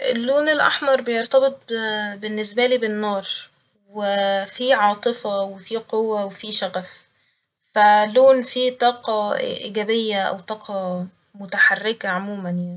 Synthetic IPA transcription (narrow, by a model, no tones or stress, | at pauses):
ʔḛlːoːnelʔa̰ħmɑɾˤbejoɾt̪ɑbet̪̚ˤbenːesbæliːbenːɑːɾˤ | wefiʕɑːt̪ˤɨfɑwefiːqowːæwefiːʃæɣæf | fælːoːnfiːt̪ˤɑːqɑʔḭːɡæbejːæʔæ̰wt̪ˤɑːqʰɑ | mʊt̪aħarːekæʕomuːmænjaʕni